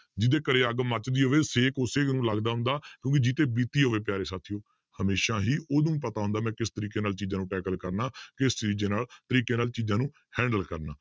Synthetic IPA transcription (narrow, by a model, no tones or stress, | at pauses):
d͡ʒɪd̪eːkəɾeːəɡmət͡ʃd̪iːɦoːʋeːseːkʊseːnũːləɡd̪aːɦʊ̃nd̪aːkjõːk̬id͡ʒit̪eːbiːt̪iːɦoːʋeːp̬ɪjaːɾeːsaːt̪ʰːioː | həmeːʃaːɦiːʔoːd̪ũːpət̪aːɦʊ̃nd̪aːmɛ̃ːkɪst̪əɾiːkeːnaːlt͡ʃiːd͡ʒãːnũːʈɛːkəlkəɾnaːkɪst͡ʃɾiːd͡ʒeːnaːlt̪əɾiːkeːnaːlt͡ʃiːzãːnũː | hɛ̃ːɳɖəlkəɾnaː